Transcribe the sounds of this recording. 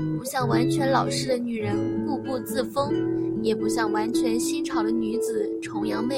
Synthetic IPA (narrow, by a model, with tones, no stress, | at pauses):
pu˧˥ɕjɑ˥˩ŋwa˧˥nt͡ɕʰɥɛ˧˥nlɑ˨˩ʊʂɻ̩˥˩d̪ə˩ny˨˩ɻə˧˥nku˥˧pu˥˧t͡sɹ̩˥˩fɤ˥ŋjɛ˨˩pu˧˥ɕjɑ˥˩ŋwa˧˥nt͡ɕʰɥɛ˧˥nɕi˥nʈ͡ʂʰɑ˨˩ʊd̪ə˦ny˧˥d͡zɹ̩˨˩ʈ͡ʂʰʊ˧˥ŋjɑ˥˧ŋme˥˩